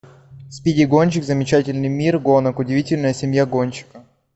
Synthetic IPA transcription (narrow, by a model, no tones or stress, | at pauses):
sʲpʲidʲɪɡonʲt͡ɕɪkzəmʲɪt͡ɕætʲɪlʲnɨjmʲirɡo̞nəkʊdʲɪvʲitʲɪlʲnəjəsʲɪmʲjaɡonʲt͡ɕɪ̥kə